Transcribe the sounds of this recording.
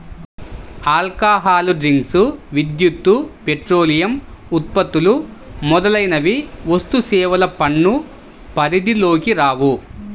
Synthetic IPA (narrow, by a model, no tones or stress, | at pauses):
aːlkaːɦaːluɖɾiŋɡsuʋid̪jut̪ːupeʈɾoːlijɐmut̪̚pɐt̪ːulumɔd̪ɐlɐjnɐʋiʋɐst̪usɛːʋɐlɐpɐɳːu | pɐɾid̪ilo̞ːkiɾaːʋu